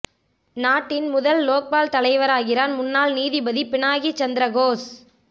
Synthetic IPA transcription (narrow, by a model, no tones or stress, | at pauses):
naːʈːɪnmʊðɐlːoːk̚paːlt̪ɐlɐɪʋɐɾaːɣɪraːnmʊnːaːlniːðibɐðipɪɳaːɣit͡ʃɐnd̪ɪɾɐɣoːs